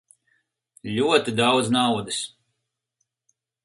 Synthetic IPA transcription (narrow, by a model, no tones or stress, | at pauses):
ʎʲuɔt̪id̪awd̪znawd̪ɨs